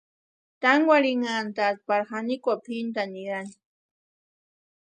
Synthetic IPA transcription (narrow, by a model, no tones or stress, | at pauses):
t̪aŋɡwaɾiŋant̪at̪̚paɾxanikʷapʰint̪aniɾan